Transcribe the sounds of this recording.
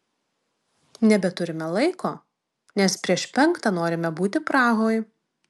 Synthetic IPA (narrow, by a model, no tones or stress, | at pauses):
nʲɛbʲɛt̪ʊɾʲɪmʲɛlˠɐɪkoː | nʲɛspʲɾʲiɛʃpʲɛŋkt̪ɑnoːɾʲɪmʲɛbuːt̪ʲɪpɾɑːɣoːj